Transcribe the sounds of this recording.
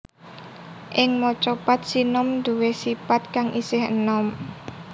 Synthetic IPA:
ʔɪŋmɔt͡ʃɔpat̪̚sinɔmd̪uwesipat̪̚kaŋʔisɪhə̰nɔm

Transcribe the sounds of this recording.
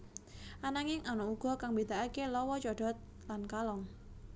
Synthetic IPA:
anaŋɪŋanɔuɡ̥ɔ̤kaŋbed̪̥aakelɔwɔt͡ʃɔɖ̥ɔ̤t̪̚ | lankalɔŋ

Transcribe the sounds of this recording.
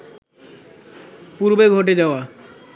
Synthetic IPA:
puɾbeɡʱoʈ̬ed͡ʑaoa

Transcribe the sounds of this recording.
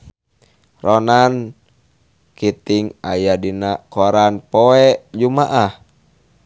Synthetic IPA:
rɔnan | kit̪iŋa̰jadinakoɾanpɔɛʔd͡ʒumaʔah

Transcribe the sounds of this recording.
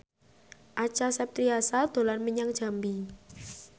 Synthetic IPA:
ʔat͡ʃasɛp̚t̪ɾiasald̪̥o̤lanməɲaŋ̥ʒ̥a̤mbi

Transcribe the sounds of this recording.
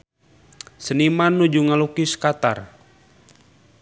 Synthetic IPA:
sənimanːud͡ʒuŋalukiskat̪a̰r

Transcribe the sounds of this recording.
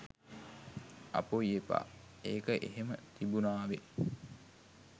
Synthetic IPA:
ɐ̰poiepa̰ | eːkəʔeɦemət̪ibunaːʋe

